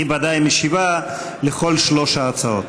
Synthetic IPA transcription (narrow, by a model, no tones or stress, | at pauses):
ibad̪ajmeʃiva | leχo̞lʃloʃaːt͡saot̪̚